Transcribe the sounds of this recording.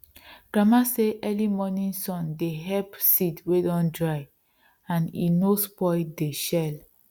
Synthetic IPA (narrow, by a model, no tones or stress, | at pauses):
ɡ̥ɹamaseʔɛlimɔnĩnsɔ̃ndeɦɛpsitwedɔ̃ndɹaɪ | ãnḭnospɔɪdeʃɛl